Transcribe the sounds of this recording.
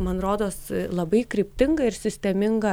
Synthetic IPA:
mɐnɾoːd̪oːslˠɐbɐɪkɾʲɪːpʲt̪ʲɪŋɡɐɪrsʲɪsʲt̪ʲɛmʲɪŋɡɐ

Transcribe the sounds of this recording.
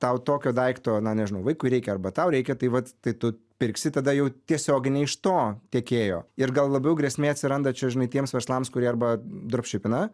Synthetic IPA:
t̪ɐʊt̪oːkʲoːd̪ɐɪkt̪oːnɐnʲɛʒʲɪnɐʊʋɐɪkʊɪɾʲɛɪkʲɛɐɾbɐt̪ɐʊɾʲɛɪkʲɛt̪ɐɪʋɐt̪t̪ɐɪt̪ʊ | pʲɪɾʲksʲɪt̪ɐd̪ɐjɛʊt̪ʲiɛsʲoːɡʲɪnʲɛɪɪʃt̪oːt̪ʲɛkʲeːjoːɪɾɡɐlˠlˠɐbʲɛʊɡɾʲɛsʲmʲeːɐtʲsʲɪɾɐnd̪ɐt͡ʃʲɛʒʲɪnɐɪt̪ʲiɛmsʋʲɛɾslˠɐmskʊɾʲiɛɐrbɐd̪ɾpʲʃʲɪpʲɪnɐ

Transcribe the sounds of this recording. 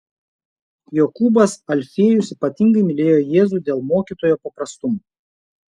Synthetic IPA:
jokuːbɐsɐlʲfʲeɛjʊsiːpɐt̪ʲɪŋɡɐɪmʲɪlʲeːjoːjeːzuːˑd̪ʲeːlˠmoːkʲiːˑt̪oːjoːpɐpɾɐst̪ʊmu

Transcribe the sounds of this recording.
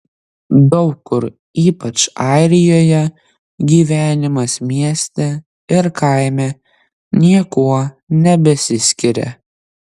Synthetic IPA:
d̪ɒʊkːʊɾ | iːpɐt͡ʃɑˑɪɾʲɪjoːjɛ | ɡʲiːʋʲæːnʲɪmɐsmʲiɛsʲt̪ʲɛ | ɪɾkɐɪmʲɛ | nʲiɛkuɔ | nʲɛbʲɛsʲɪsʲkʲɪɾʲɛ̰

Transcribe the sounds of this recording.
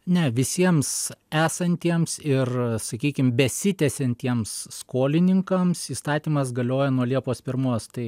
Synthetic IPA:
nʲɛʋʲɪsʲiɛmsæːsɐnʲt̪ʲiɛmsɪrsɐkʲiːkʲɪmbʲɛsʲɪt̪ʲɛsʲɛnʲt̪ʲiɛmsːkoːlʲɪnʲɪŋkɐmsiːst̪ɑːt̪ʲiːmɐs̬ɡɐlʲoːjɛnuɔlʲiɛpoːspʲɪɾmoːst̪ɐɪ

